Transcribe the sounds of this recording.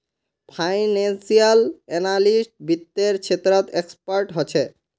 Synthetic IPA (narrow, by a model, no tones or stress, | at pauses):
pʰajnensialɛnalisʈbit̪ːeɾt͡ɕʰet̪ɾɔt̪ekspaɾʈɦot͡ɕʰe